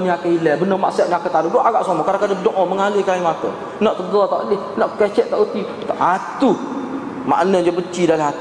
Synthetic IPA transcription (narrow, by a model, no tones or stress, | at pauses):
niakailɛbənəmaʔsiaʔɲakət̪aduloʔaɣaʔsomɔkaɾaŋkadədoʔɔməŋalɪhkaimak̪ə̰ | nɔʔt̪əɡɔt̪aʔəlɪhnɔʔkɛt͡ʃɛʔt̪aʔət̪i | t̪aʔat̪u | ma̰ʔnəd͡ʒəbət͡ʃidalaɦat̪